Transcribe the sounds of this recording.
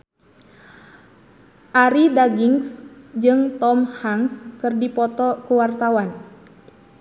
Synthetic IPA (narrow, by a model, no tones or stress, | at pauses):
ʔaɾidaɡiŋsd͡ʒɨŋt̪ɔmhaŋskɨrdipɔt̪ɔkuwart̪awan